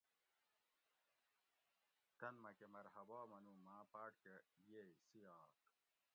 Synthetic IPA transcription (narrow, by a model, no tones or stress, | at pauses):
t̪ɐnmɐkemɐɾhɐbaːmɐnumaːpaːʈkejesijaːk